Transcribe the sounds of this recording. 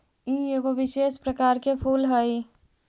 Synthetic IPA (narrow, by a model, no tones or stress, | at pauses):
ieɡoʋɪʃespɾəkaːɾkepʰuːlɦəj